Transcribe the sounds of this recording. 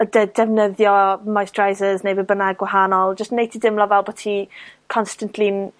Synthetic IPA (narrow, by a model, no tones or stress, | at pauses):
ədɛdɛvnəðjɔmajsd̥rajzəznejbəbənaɡwaɦanɔlˠd͡ʒəstnejtʰidɪmlɔvɛlˠbɔtʰikʰɔnstantʰlin